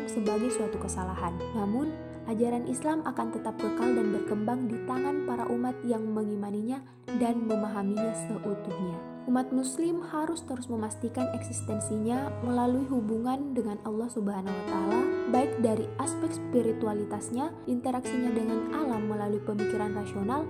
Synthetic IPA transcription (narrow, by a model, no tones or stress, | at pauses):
səbaɡajsuat̪ukəsalaɦannamʊn | ʔad͡ʒaɾanʔislamakant̪ət̪ap̚kəkaldanbərkəmbaŋdit̪aŋanpaɾa̰ʔumat̪̚jaŋməŋimaniɲa | danməmaɦamiɲasəʔut̪uhɲa | ʔumat̪̚muslɪmhaɾʊst̪əɾʊsməmast̪ikanɛksist̪ɛnsiɲaməlaluiɦubuŋandəŋanɑlːɑhsubəɦanahuwat̪aːlabaɪk̚daɾiʔaspɛk̚spiɾit̪ualit̪asɲaʔint̪əɾaksiɲadəŋanʔalamːəlaluipəmikiɾanrasional